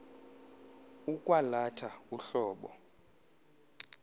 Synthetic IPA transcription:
ukʼwalatʰauɬɔːɓɔ̰

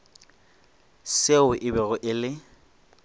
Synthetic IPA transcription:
seʊʔɪbɛɣʊʔɪlɪ

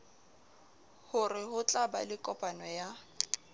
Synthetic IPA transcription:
hʊrɪhʊt͡ɬʼaba̰lɪkʼɔpʼanɔja

